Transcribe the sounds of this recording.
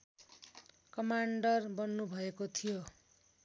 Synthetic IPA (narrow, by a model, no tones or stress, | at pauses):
kʌmaɳɖʌrbʌnːubʱʌekot̪ʰijo